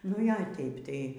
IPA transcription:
nʊ ˈjoː ˈtʲɛɪp ˈtɐɪ

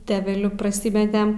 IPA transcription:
tʲɛʋʲɛˈlʲʊ prɐˈsʲiːmʲɛtʲɛm

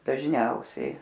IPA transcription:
dɐʒʲˈnʲɛʊsʲɛɪ

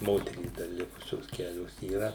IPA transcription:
ˈmoːtʲɛrʲiːs dɐr ˈlʲɪkʊsʲoːs ˈkʲæːlʲoːs iːˈrɐ

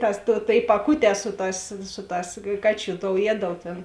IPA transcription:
tɐs tuɔ tʲeːɪ pɐˈkʊˌtʲɛː ˈsʊ ˌtɑːs ˈsʊ ˌtɑːs ˈkɑːˌt͡ʃʲuː toːʊ ˈjiɛdɐlˠʊ tʲeːn

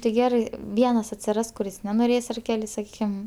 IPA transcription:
tɐɪ ˈɡʲæːrɐɪ ˈʋʲiɛnɐs ɐtʲsʲɪˈrɐs kʊˈrʲɪs nʲɛnoːˈrʲeːs ɐr ˈkʲæːlʲɪ sɐˈkʲiːkʲɪm

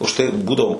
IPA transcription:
ʊʃ ˈtɐɪ ɪ ˈbuːdɐʋoː

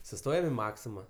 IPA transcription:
sʊˈstoːjɛm ɪ ˈmɑːksʲɪmɐ

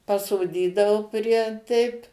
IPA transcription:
pɐsoːˈdʲiːdɐoː pʲrʲiɛ ˈtʲɛɪp

